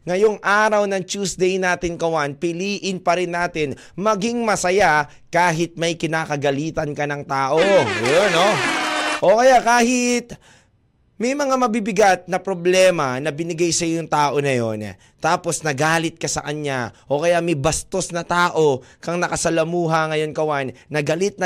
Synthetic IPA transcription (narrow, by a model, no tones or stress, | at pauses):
ŋɐjoŋʔaːɾɐwnɐŋt͡ʃuːsd̪ɛjnaːt̪ɪnkɐwanpɪliːʔɪnpɐɾɪnːaːt̪ɪn | mɐɡiŋmɐsɐja | kaːɦɪt̪̚mɐjkɪnaːkɐɡɐliːt̪ɐnkɐnɐŋt̪aːʔo̞jjonoʔokɐjakaːhɪt̪̚ | mɐjmɐŋamɐbibɪɡat̪̚nɐpɾoblɛːmɐnɐbɪnɪɡajsɐjojʊŋt̪aːʔo̞nɐjo̞n | t̪aːpo̞snɐɡaːlɪt̪̚kɐsɐkɐɲaʔo̞kɐjamɛjbɐst̪o̞snɐt̪aːʔo̞kɐŋnɐkɐsɐlɐmuːɦɐŋɐjo̞nkɐwanːɐɡɐlɪt̪̚nɐ